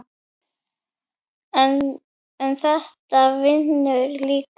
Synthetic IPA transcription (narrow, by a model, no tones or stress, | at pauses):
n | ɛnθɛht̪avɪnʏɾliːk